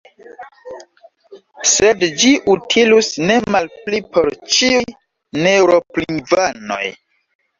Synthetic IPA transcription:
se̞dd͡ʒiʔutʰilusne̞malplipo̞ɾt͡ʃiuj | newɾo̞plinvano̞̰j

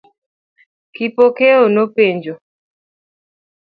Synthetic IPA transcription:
kipokeonopeɲd͡ʒo

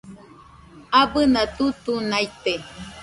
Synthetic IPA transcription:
abɨnat̪ut̪unajt̪e

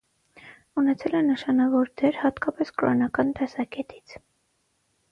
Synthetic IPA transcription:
unɛt͡sʰɛlɛnəʃɑnɑvɔɾd̪ɛɾhɑt̪kɑpɛskɾɔ̰nɑkɑnt̪ɛsɑkɛt̪ʰi̥t͡sʰ

